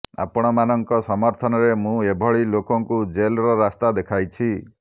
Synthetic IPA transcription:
a̰pɔɽ̃ɔmanɔŋkɔsɔmɔɾt̪ʰɔnɔɾemũebʱɔɭilokɔŋkud͡ʒelɾɔɾast̪ad̪ekʰajt͡ʃʰi

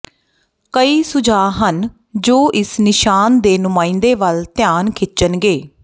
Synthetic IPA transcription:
kəiːsʊd͡ʒaːɦən | d͡ʒoːʔɪsnɪʃaːnd̪eːnʊmãːĩnd̪eːʋəlt̪ɪjaːnkʰɪt͡ʃənɡeː

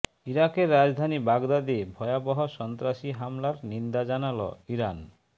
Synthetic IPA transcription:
iɾakeɾːad͡ʑd̪ʱanibaɡd̪ad̪ebʱɔeabɔɦoʃɔnt̪ɾaʃiɦamlaɾnind̪ad͡ʑanalo̰iɾan

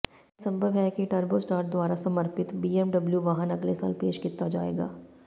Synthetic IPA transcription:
sɐ̃mbʱəʋɦɛkiʈɐɾbosʈaːɾd̪ʊwaːɾasɐməɾpɪt̪biːemɖɐbljuʋaːɦənɐɡlesa̰ːlpeːʃkit̪ad͡ʒa̰ːḛːɡa̰ː

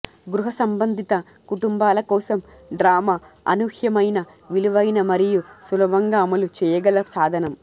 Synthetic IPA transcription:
ɡɾuɦɐsɐmbɐnd̪ʱit̪ɐ | kuʈumbaːlɐkɔːsɐm | ɖɾaːmɐɐ̰nuhjɐmɐjnɐ | ʋiluʋɐjnɐmɐɾijusulɐbɐŋɡaːɐmɐlut͡ʃɛːjɐɡɐlɐsaːd̪ʱɐnɐm

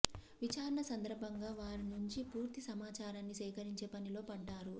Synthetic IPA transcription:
ʋit͡ʃaːɾɐɳɐsɐnd̪ɐɾbʱɐŋɡaːʋaːɾinuɲt͡ʃipuːɾt̪isɐmaːt͡ʃaːɾaːnːisɛːkɐɾiɲt͡ʃe̞ːpɐnilo̞ːpɐɖːaːɾu

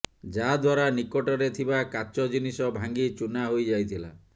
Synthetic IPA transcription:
d͡ʒad̪waɾanikɔʈɔɾet̪ʰibakat͡ʃɔd͡ʒinisɔbʱaŋɡit͡ʃunaɦojd͡ʒajt̪ʰila̰

